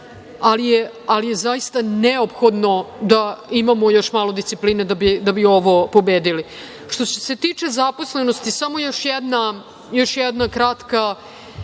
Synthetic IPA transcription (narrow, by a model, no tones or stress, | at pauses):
alije | alijezaist̪aneopxo̞d̪no̞d̪aimamo̞jo̞ʃmaːlˠod̪ist̪ipliːned̪abid̪abio̞ʋo̞po̞beːd̪ili | ʃt̪ose̞t̪iːt͡ʂe̞zapo̞sle̞nost̪isamo̞jo̞ʃjɛd̪na | jo̞ʃjɛd̪nakɾat̪ka